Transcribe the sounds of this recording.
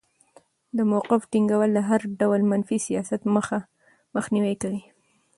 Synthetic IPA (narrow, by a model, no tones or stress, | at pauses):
d̪əmawqɪfʈiŋɡawəlːaɦaɾɖawəlmanfisijɑsat̪məxa | məxniwikawi